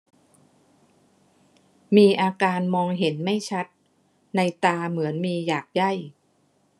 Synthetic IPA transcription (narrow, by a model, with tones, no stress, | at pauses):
miː˧ʔaː˧kaː˧nmɔː˧ŋɦe˩˦nma˥˩jt͡ɕʰa˦˥t̪̚ | na˧jt̪aː˧mɯ˩˦ənmiː˧jaː˨˩k̚ja˥˩j